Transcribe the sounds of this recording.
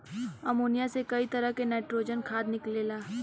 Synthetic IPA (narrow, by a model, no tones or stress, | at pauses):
ɐmoːnijasekɐit̪ɐɾəɦkenɛːʈɾoːd͡ʒənkʰaːd̪nɪkleːlaː